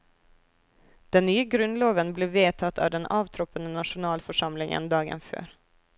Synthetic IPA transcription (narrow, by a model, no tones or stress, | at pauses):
d̪̥ɛnːyːəɡɾʉnloːvənbleːveːt̪ʰɑt̪ʰːɑ̰vd̪ɛnɑːvt̪ʰɾɔpːənənɑʂʊnɑːlfœʂɑmlɪŋə̰nd̪ɑːɡə̰nfø̰ːɾ